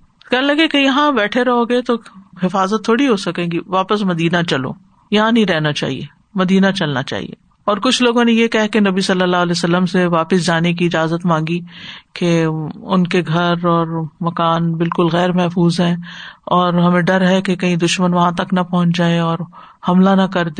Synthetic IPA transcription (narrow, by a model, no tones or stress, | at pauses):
kɛnelɐɡekejɐɦãbɛːʈʰeɾɐɦoɡet̪oɦɪfaːzət̪ʰːoːɽiɦosɐkẽːɡiʋaːpəsmɐd̪iːnat͡ʃɐlo̰ː | jɐɦãnɐɦĩɾɛɦnat͡ʃa̰ːɦḭḛː | mɐd̪iːnat͡ʃɐlnat͡ʃa̰ːɦḭḛː | ɔːɾkʊt͡ʃʰloːɡõnejekɐɦkenɐbisɐlːəlːaːɦlɛːsɐlːəmseʋaːpɪs̬d͡ʒaːnek̬iɪd͡ʒaːzət̪mãːŋɡikeʊnkeɡʱɐɾɔːɾmɐkaːnbɪlkʊlɣɛːɾmɛɦfuːzɦɛ̃ːɔːɾɦɐmẽɖɐɾɦɛkekɐɦĩd̪ʊʃmənʋɐɦãt̪ɐknɐpɔɦʊ̃t͡ʃd͡ʒaːeɔːɾ | hɐmlanɐkɐɾd̪e